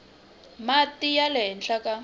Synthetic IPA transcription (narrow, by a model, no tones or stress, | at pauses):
matijalɛɦɛnɬaka